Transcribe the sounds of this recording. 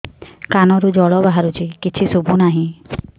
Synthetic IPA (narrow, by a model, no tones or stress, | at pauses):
kanɔɾud͡ʒɔɭɔbaɦaɾut͡ʃʰikit͡ʃʰisubʱunaɦĩ